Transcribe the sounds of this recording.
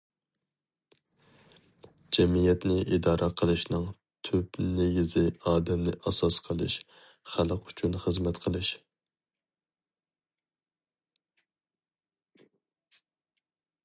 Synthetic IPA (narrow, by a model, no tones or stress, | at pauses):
d͡ʒɛmijɛt̪nɪʔid̪ɑːɾʔɛqʰəlˠɨʃnɨŋ | t̪ʰypneɡʲizɪɑːd̪ɛmnɪ̰ʔɑsɑsqʰəlˠɨ̰ʃ | χælˠəqy̥t͡ʃʰynχəzmɛt̪qʰəlˠɨʃ